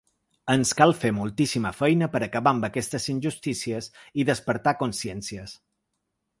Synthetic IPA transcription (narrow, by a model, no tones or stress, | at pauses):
ənskalˠfemulˠt̪isiməfɛjnəpəɾəkəβaəmbəkɛst̪əzinʲʒust̪isiəsiðəspəɾt̪akunsiɛnsiəs